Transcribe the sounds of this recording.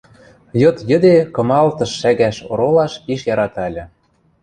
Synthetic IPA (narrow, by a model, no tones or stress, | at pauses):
jɤ̆t̪jə̆d̪ekɤ̆mɑlt̪ɤ̆ʃːæɣæʃoɾolɑʃpiʃjɑɾɑt̪ɑlʲɤ̆